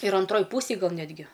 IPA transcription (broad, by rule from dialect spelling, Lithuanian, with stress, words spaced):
ɪr ɐnˈtroːj ˈpuːsʲeːj ˈɡɐlˠ ˈnʲæːdʲɡʲɪ